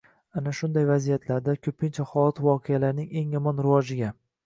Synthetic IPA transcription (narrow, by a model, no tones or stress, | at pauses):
anaʃʊnd̪ajvazijat̪ʰlaɾd̪akʲʰɵpʰɪnt͡ʃʰahɒlat̪ʰvɒqʰejalaɾnɪŋe̞ŋjɒmɒnɾɪvɒd͡ʒɪɡʲa